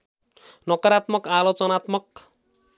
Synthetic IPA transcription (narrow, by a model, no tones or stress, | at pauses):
nʌkʌɾat̪mʌkalot͡sʌnat̪mʌk